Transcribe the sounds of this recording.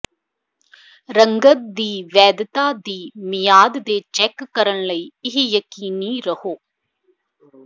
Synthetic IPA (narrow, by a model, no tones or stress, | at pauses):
ɾɐŋɡɐt̪̚d̪iːʋɛːd̪ɐt̪aːd̪iːmijaːd̪d̪eːt͡ʃekːɐɾɐɳlɐjiɦijɐkiːniːɾɐhoː